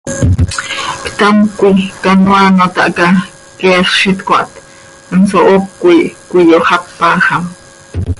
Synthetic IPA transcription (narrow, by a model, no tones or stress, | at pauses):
kt̪amkʷikanwanot̪a̰ʔka | keːχʃit̪kʷa̰ʔt̪ | ənsoʔokːʷikʷijohapːaːxam